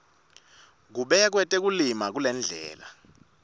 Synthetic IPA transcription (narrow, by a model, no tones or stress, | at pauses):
k̬uɓɛk̬wɛtʼek̬ulimak̬ulɛnd͡ɮʱɛ̰ːla̰